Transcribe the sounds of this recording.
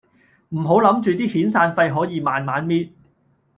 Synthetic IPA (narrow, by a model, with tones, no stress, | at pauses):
m̩˨˩ɦo˨˥wlɐ˨˥mt͡ʃyː˨t̪iː˥hiː˨˥nsaː˧nfɐ˧jɦɔː˨˥jiː˨˧maː˨nmaː˨˥nmiː˥t̚